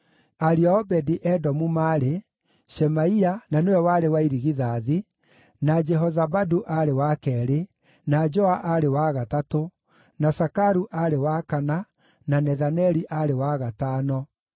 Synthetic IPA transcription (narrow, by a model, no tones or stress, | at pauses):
aɾiɔɔbɛdiʔɛdɔmumaːɾe | ʃɛmaiananewɛwaɾewaiɾiɣiðaːði | nad͡ʒɛɦɔzabaduʔaɾewakɛːɾe | nad͡ʒɔaʔaɾewaɣatato | nasakaɾuʔaɾewakana | nanɛðanɛɾiʔaɾewaɣataːnɔ